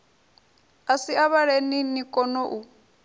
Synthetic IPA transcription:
asiaβaɺeninikʼɔnɔʔu

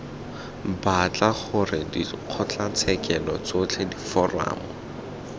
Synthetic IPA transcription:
bat͡ɬaχʊrɪdiq͡χʰɔt͡ɬat͡sʰɛkɛlɔt͡sot͡ɬʰedifɔra̰ːmʊ

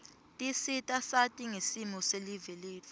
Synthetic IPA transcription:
tʼisitʼasatʼiŋesimɔseliveleːvʼ

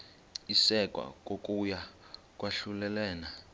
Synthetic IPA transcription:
isɛkʼwa̰k̬ʼokʼuja | kʼwaɬulɛlɛːna

